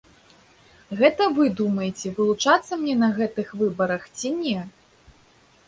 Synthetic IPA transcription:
ɣɛt̪ɐvɨd̪umɐjet͡sʲɛvɨlˠut͡ʂat̪sːɐmnʲɛnɐɣɛt̪ɨxvɨbɐɾɐxt͡sʲinʲɛ

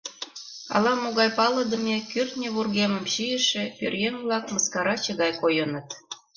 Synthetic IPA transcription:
ɑ̰lɑmoɣɑjpɑlə̆d̪ə̆mʲekyrt̪nʲeβurɣemə̆mɕijə̆ʃĕpørjenβlɑkməskɑɾɑt͡ɕəɣɑjkojɤnət̪

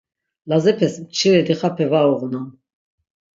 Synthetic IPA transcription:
lazɛpʰɛsmt͡ʃʰiɾɛd̪iχapʰɛvaɔʁnan

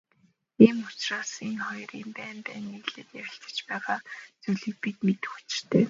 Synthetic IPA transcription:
iːmʊt͡ɕraːsenχɔjriːmpæːmpæːniɣɮeːt̪jæwɪ̆ɬt̪ə̥̆t͡ɕpæːʁaːt͡suɮĭk̚pit̪met̪ɘ̥̆xu̥t͡ɕɪ̥̆r̥t̪ʰeː

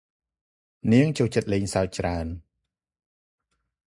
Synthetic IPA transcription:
niəŋt͡ɕoːt͡ɕət̪̚leːɲsaɔc̚t͡ɕraən

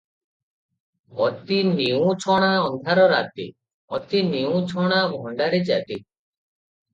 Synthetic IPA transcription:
ɔt̪iniũt͡ʃʰɔɽ̃aɔnd̪ʱaɾɔɾat̪ḭ | ɔt̪iniũt͡ʃʰɔɽ̃abʱɔɳɖaɾed͡ʒa̰t̪i

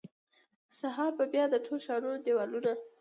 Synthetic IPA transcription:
saɦɑɾbəbjɑd̪əʈʰolʃɑɾund̪ewɑluɾa

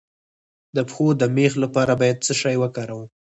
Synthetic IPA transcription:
d̪əpxod̪əmexlapɑɾabɑjad̪̚t͡səʃɑjwəkɑɾawu

